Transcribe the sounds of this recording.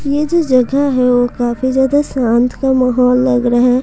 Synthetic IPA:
jed͡ʒoːd͡ʒɐɡaɦɛʋokaːfizjaːd̪asãːnt̪ʰkamɐɦɔːlːɐɡɾɐɦɦɛː

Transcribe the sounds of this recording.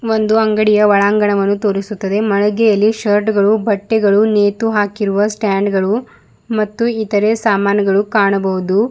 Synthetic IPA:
ʋo̞nd̪uɐŋɡɐɽijɐʋɐɭaːŋɡɐɳɐʋɐnːut̪o̞ːɾisut̪ːɐd̪e̞mɐɭɐɡɛjɐlːiʃɐɾʈɡɐɭubɐʈːɛɡɐɭuneːt̪uɦaːkiɾuʋɐsʈaːɳɖɡɐɭu | mɐt̪ːuit̪ɐɾe̞saːmaːnjɐɡɐɭukaːɳɐbɐɦud̪u

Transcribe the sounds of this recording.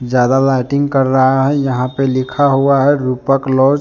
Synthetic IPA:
d͡ʒad̪alaʈɪŋɡkəɾːəɦaɦɛjəɦãpelikʰaɦuaɦɛɾupəklɔd͡ʒ

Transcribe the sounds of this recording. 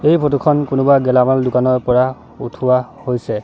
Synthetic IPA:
ejpʰotukʰɔnkʊnʊbaɡɛlamaldʊkanɔɹpɔɹa | utʰuwahojsɛ

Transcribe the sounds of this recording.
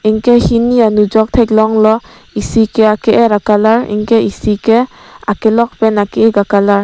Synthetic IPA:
iŋkehinianud͡ʒɔk̚tʰajk̚lɔŋlɔ | isikeakeʔeɾakalaɾḭŋkeisike | akelɔk̚penakeeɡakalaɾ

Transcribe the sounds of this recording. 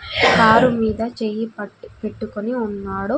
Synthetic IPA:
kaːɾumiːd̪ɐt͡ʃeːjipe̞ʈːukoniunːaːɽu

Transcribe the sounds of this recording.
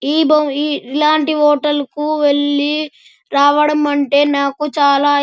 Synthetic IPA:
iːbɐiːlaːɳʈiɦɔːʈɐlkuʋe̞ɭːi | ɾaːʋɐɽɐmɐɳʈe̞ːnaːkut͡ʃaːlaː

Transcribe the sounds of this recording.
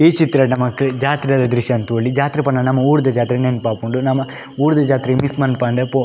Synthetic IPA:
eːt͡ʃit̪ːiɾɐnɐmːɐkːed͡ʒaːt̪ɾiɾaːd̪ɐd̪ɾiʃɐnt̪uɐɭːid͡ʒaːt̪ɾipɐɳːɐnɐmːɐuːɾd̪ɐd͡ʒaːt̪ɾinenpaːkoɳɖunɐmːɐ | uːɾd̪ɐd͡ʒaːt̪ɾimismɐnpɐnd̪epo

